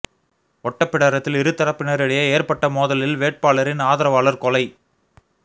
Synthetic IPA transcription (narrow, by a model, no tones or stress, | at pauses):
ɔʈːɐpːɪɽɐɾɐt̪ːɪlɪɾɯt̪ːɐɾɐpːɪnɐɾɪɽɐjɐeːɾpɐʈːɐmoːðɐlɪlʋeːʈ̚paːɭɐɾɪnaːðɐɾɐʋaːɭɐɾkɔlɐɪ